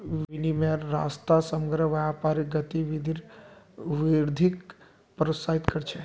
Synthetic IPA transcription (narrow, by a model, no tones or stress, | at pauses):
ʋinimeɾa̰st̪asəməɡɾəʋjapaɾiɡət̪iʋid̪ʱiɾ | ʋiɾd̪ʱik | pəɾot̪saɦit̪kəɾt͡ʃʰɛ